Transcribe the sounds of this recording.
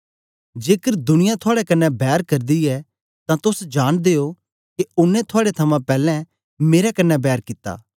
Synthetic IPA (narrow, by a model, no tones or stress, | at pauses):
d͡ʒeːkəɾd̪ʊnɪjãt̪ʰʊaːɽɛkɐnːɛbɛːɾkɐɾd̪iɛ | t̪ãt̪ʊsd͡ʒaːɽ̃d̪eːo | keʊnːɛ̃t̪ʰoaːɽet̪ʰɐmãpɛːlɛ̃ | meːɾɛkɐnːɛbɛːɾkɪt̪ːa̰ː